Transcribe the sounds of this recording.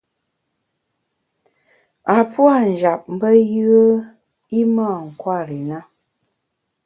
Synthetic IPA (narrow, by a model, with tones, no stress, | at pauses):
a˨pwa˦˨n̩˨d͡ʒa˨p̚m̩˦bə˦jɯ˦ə˦ | i˦maː˦˨ŋ̩˨kwa˦˨ɾi˨na˦